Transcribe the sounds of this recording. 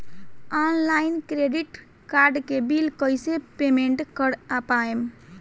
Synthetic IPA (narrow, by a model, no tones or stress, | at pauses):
anlajnkɾeɖiʈ | kaɾɖkebilkəjsepemeɳʈkəɽapaem